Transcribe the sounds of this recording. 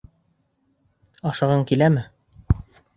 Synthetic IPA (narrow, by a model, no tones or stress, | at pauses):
ɑʃɑʁɤɴkilæmɘ